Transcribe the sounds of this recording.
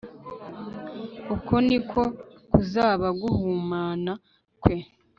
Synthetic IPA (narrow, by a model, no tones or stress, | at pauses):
ukʰonikʰo̞kuzaːβaɡuhuːmaːna | kwe̞